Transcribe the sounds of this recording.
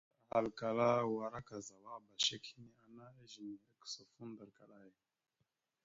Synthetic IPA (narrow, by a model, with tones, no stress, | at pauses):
a˨ha˨lka˨la˦wa˨ɾa˦ka˨za˨wa˦˨ba˨ʃe˦khi˦ne˦a˦na˦e˦ʒi˨ni˨e˦kso˨fu˦nd̪a˨lka˨la˦he˨